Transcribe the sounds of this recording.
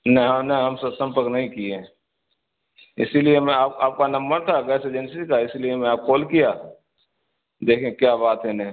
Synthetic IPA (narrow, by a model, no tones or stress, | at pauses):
nɛ̃ɦəmnɛ̃ɦɐmsəbsə̃mpəɾknəɦĩkie | ɪ̰siliemẽaːpaːp̚kanə̃mbəɾt̪ʰakɛːseːd͡ʒɛnsikaɪsiliemẽaːp̚koːlkijaː | d̪eːkʰẽkjabaːt̪ɦɛnɛɦĩ